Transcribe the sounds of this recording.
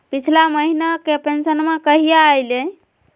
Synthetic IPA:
pit͡ʃʰlaməɦinakepensənmẽkəɦijaːjle

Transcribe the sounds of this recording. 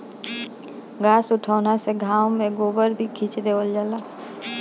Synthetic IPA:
ɡaːsʊʈʰaːnaseɡʱaːwmẽɡoːbəɾbʱikʰiːt͡ʃd̪eːʋəld͡ʒaːla

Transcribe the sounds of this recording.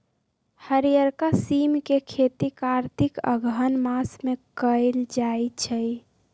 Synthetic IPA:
həɾijəɾkasimkekʰet̪ikaɾt̪ʰikə̰ɡənmasmekəɪld͡ʒajt͡ʃʰəj

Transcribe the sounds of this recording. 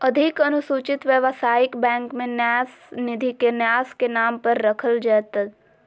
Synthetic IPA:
ɐd̪ʱɪkɐnʊsuːt͡ʃɪt̪ʋjəʋsaːjɪkbɛ̃ːŋkmẽnjaːs | nɪd̪ʱikenjaːskenaːmpɐɾːɐkʰəld͡ʒɛːt̪əd̪

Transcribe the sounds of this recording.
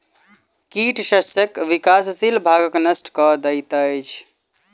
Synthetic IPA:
kiʈʃəsəkʋikassilbʱaɡəknəsʈʰkɔd̪əjt̪əjt͡ʃʰ

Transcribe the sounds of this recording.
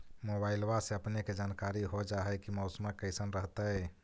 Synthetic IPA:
mobaɪlwaseəpneked͡ʒankaɾiɦod͡ʒaɦɛkimɔʊsməkəɪsənɾəɦt̪əj

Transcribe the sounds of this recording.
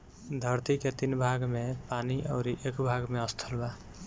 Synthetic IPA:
d̪ʱəɾt̪iket̪inbʱaɡmepaniʔɔʊɾiʔekbʱaɡmeəst̪ʰəlba

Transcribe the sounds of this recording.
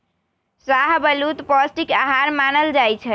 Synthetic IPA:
saɦbəlut̪pɔsʈikaɦaɾmanəld͡ʒajt͡ʃʰɛ

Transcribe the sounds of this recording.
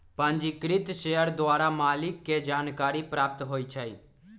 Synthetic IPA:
pãːnd͡ʒikɾɪt̪ʃejəɾd̪ʋaːɾamaːlɪkːed͡ʒaːnkaːɾipɾaːp̚t̪ɦoːit͡ʃʰaḭː

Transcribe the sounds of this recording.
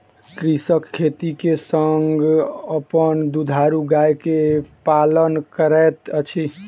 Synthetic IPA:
kɾisəkkʰːet̪ikesəŋɡəpənd̪ud̪ʱaɾuɡajkepalənkəɾɛt̪ət͡ʃʰi

